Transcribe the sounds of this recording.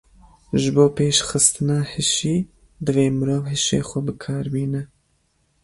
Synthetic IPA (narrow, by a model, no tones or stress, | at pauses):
ʒɨboːpeːʃxɨst̪ɨnɑːhɨʃiː | d̪ɨveːmɨɾoːvɦiʃḛːxʷɛbɨkʰɑːɾbiːnɛ